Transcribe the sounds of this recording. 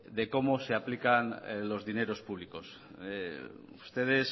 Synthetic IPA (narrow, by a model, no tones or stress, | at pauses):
ðe̞ko̞mose̞aplikanlo̞zðine̞ɾospuβ̞liko̞s | ust̪e̞ð̞es